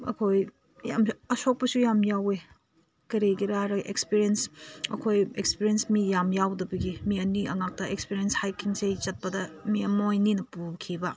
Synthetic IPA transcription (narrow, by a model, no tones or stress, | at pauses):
ɐ̰kʰoj | ja̰mɐsok̚pɐsujamjawe | kɐɾeɡiɾaɾɐʔekspiɾiensɐ̰kʰojekspiɾiensmijamjawdɐbɐɡimiɐniɐŋak̚tɐʔek̚spiɾijenshajkʰiŋsejt͡ʃɐt̚pɐdɐmiɐmojninɐpukʰibɐ